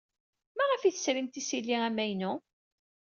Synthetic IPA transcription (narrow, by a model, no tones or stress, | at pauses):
mæʁəfiθə̥sɾimt̪isilːiæmæjnu